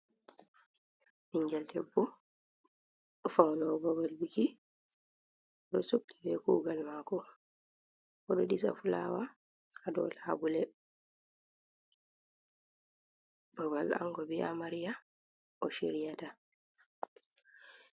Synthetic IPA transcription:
miɲd͡ʒɛldɛbːɔ | fawlɔbɔbalwiki | ɔɗɔsokdibɛkuːɡalmakɔ | ɔɗɔɗisa̰fula̰wa | adɔ̰labulɛ | b̥ɔbala̰ŋɡɔbia̰maɾija | ɔʃeɾijata

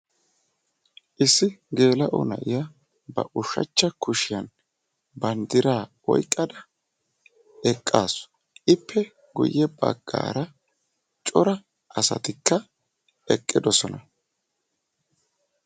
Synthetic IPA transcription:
ʔɪsːɪɡe̞ːlɐʔʊ̰nɐ̰ʔɪjɐ | bɐ̰ʔʊʃɐ̰t͡ʃːɐkʊʃɪjɐn | bɐnd̪ɪɾaː | ɔ̰jkʼːɐd̪ɐ | ɛkʼːaːsʊ̥ | ʔɪpːɛ | ɡʊ̰jːɛbɐ̰ɡ̥ːa̰ːɾɐ | t͡ʃʼɔɾɐ | ʔɐsɐ̰t̪ɪkːɐ | ɛkʼːɪd̪ɔsɔnɐ

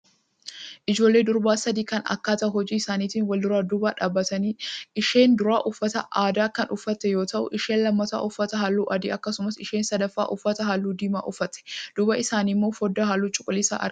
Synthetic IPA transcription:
ʔɪd͡ʒo̞ːlːe̞ːd̪ʊɾbaːsɐd̪iːkɐnɐ̰kːaːt̪ɐhɔd͡ʒiːɪsaːniːt̪iːnwɐld̪ʊɾaːd̪ubaːᶑaːbːɐt̪ɐniːʔɪʃe̞ːnd̪ʊɾaːʔʊfːɐt̪ɐ̰ʔaːd̪aːkɐnʔʊfːɐt̪ːɛjo̞ːt̪ɐʔʊ̰ʔɪʃeːnlɐmːɐt̪a̰ːʔʊfːɐt̪ɐɦaːlːuːʔɐd̪iːɐkːɐsʊmɐsɪʃeːnsɐd̪ɐfːa̰ːʔʊfːɐt̪ɐɦaːlːuːd̪iːmaːʔʊfɐt̪ɛ̥d̪̥uːbɐʔɪsaːniːmːoːfɔd̪ːɐɦaːlːuːt͡ʃʼʊkʼʊlɪsa̰ːʔɐ̰

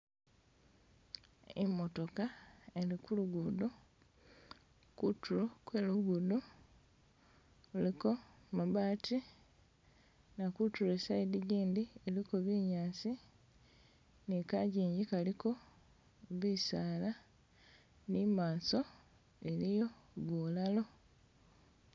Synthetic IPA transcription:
emo̞to̞kaelikuluɡudu | kutulokwe̞ːluɡudu | liko̞maβaːtʰi | nakutulesaidiɟiːndielikoβiɲaːsi | nikaɟiːɲɟikaliko̞ | βisaːla | nimaːso̞ | e̞lijo̞βwolalo̞

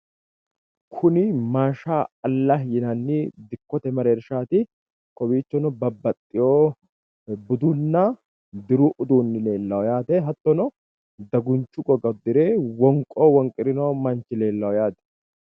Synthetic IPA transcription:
kʰʊnɪmaːʃaːɐlːɐhjɪnɐnːɪd̪ɪkːɔt̪ɛmɐɾeːɾʃaːt̪ɪ | kɔwiːt͡ʃːɔnɔbɐbːɐt̪ʼːɪjoː | bʊd̪ʊnːɐ | d̪ɪɾuʔʊd̪uːnːɪle̞ːlːɐwɔjaːt̪ɛɦɐt̪ːɔnɔ | d̪ɐɡʊnt͡ʃːʊɡʼɔɡɐd̪ɪɾeːwɔŋkʼoːwɔŋkʼɪɾɪnoːmɐnt͡ʃːɪle̞ːlːɐwɔjaːt̪ɛ̥

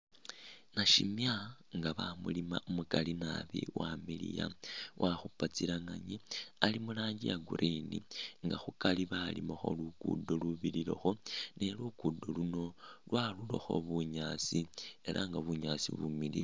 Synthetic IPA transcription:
naʃimjaŋɡaβamulima̰ʔumukalinaβḭwamilḭja̰wʔaxupat͡silaŋaɲialimulaːɲɟijaɡuɾʔiniŋɡaxukaliβalḭmoxo̞̰lukṵdoluβililo̞̰xo̞ne̞lukudoluno̞lwalulo̰xo̞̰βuɲaːt͡sie̞lʔa̰ŋɡaβuɲaːsḭβumilḭ

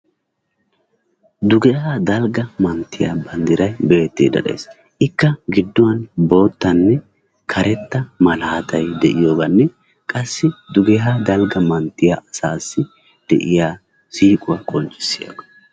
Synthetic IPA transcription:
d̪ʊɡɛhaːd̪ɐlɡɐmɐnt̪ːɪja̰bɐnd̪ɪɾɐjbe̞ːt̪ːḭːd̪ɐ̰ɗḛːs | ʔɪkːɐɡɪd̪ːʊwɐnbo̞ːt̪ːɐnːɛ | kʰɐɾʔɛt̪ːɐmɐlaːt̪ɐjd̪ɛʔɪjo̞ːɡɐnːɛ | kʼɐsːɪd̪ʊɡɛɦaːd̪ɐlɡɐmɐnt̪ːɪjaɐsaːsːɪ | d̪̥ɛ̰ʔɪjaː | siːkʼʊwɐkʼɔnt͡ʃʼːɪ̥sːɪjo̰ːɡɐ̥

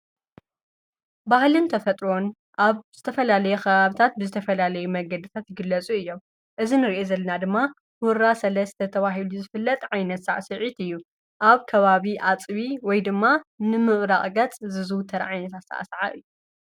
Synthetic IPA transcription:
bahlɨnt̪ʰɐfɐt̪ʼɾo̞n | ʔaβz̥ɨt̪ʰɐfɐlalɐjɛkʰɐβaβit̪ʰat̪̚bɨzɨt̪ʰɐfɐlalɐjumɐɡɐd̪ɨt̪ʰat̪jɪɡɨlːɐt͡sʼuɨjːo̞m | ʔɨzinɨɾiʔezɐlːɐnad̪ɨmːa | wʊɾasɐlɐst̪ʰɐt̪ʰɐβaɦiluzɨfɨlːɐt̪ʼʕajnɐt̪sa̰ʕasɨʕit̪ɨjːu | ʔaβkʰɐβaβiʔat͡sʼβiwɔjd̪ɨmːanɨmɨʔɾaχʼɡɐt͡sʼzɨzɨwt̪ʰɐɾ̰ʕajnɐt̪ʰat̪sa̰ʔa̰sʕa̰ʔɨjːu

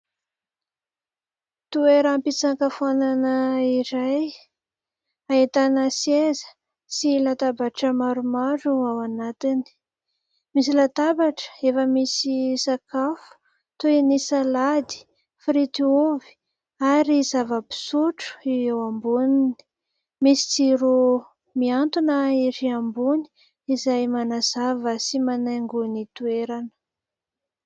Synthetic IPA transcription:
t̪ueɾampit͡saŋkafananəiɾaj | aet̪anəsezə̥ | silat̪abaʈ͡ʂəmaɾumaɾuawanat̪ini̥ | misilat̪abaʈ͡ʂə̥efəmisisakafu̥ | t̪uenisalad̪i̥ | fɾit̪iuvi̥ | aɾizavəpi̥suʈ͡ʂu̥iewambunini̥ | misi̥t͡siɾu | miant̪unəiɾiambuni̥ | izajmanazavəsimanaŋɡunit̪ueɾanə̥

